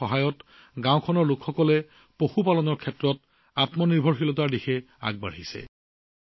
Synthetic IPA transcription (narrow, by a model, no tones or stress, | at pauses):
ɔɦajɔt | ɡãw̃kʰɔnɔɹlʊkxɔkɔlɛ | poxupalɔnɔɹkʰɛtɹɔt | atmɔniɹbʱɔɹxilɔt̬aɹdixɛ | a̰ɡ̚ba̰ɹɦisɛ̰